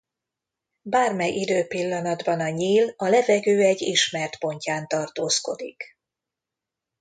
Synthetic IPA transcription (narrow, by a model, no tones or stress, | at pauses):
baːrmɛjʔid̪øːpilːɒnɒd̪bɒnɒɲiːlɒlɛvɛɡøːɛɟːiʃmɛrt̪po̞ɲcaːnt̪ɒrt̪oːsko̞̰d̪ḭk